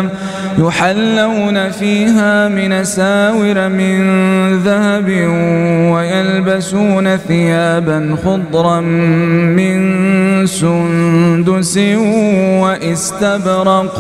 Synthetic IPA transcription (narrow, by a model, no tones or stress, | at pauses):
m | jʊħalːawnafiːɦaːmɪnasaːwɪɾmɪnðahabɪwajalbasuːnaθɪjaːbanxʊd̪ˤɾˤɑː | ɪnsʊnd̪ʊsɪwaʔɪst̪abɾɑq